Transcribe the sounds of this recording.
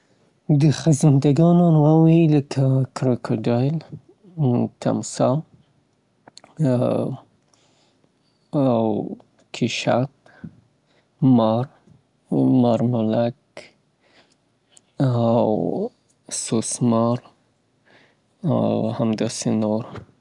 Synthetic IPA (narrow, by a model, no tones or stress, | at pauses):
d̪əxazɪnd̪aɡɑnonwɑwiləkʰakɾokʰoɖɑjl | t̪ʰa̰msɑ | aw | kʰɪʃa̰t̪̚ | maɾ | maɾmʊlak | aw | sosmɑɾ | a̰whamd̪ɑsenoɾ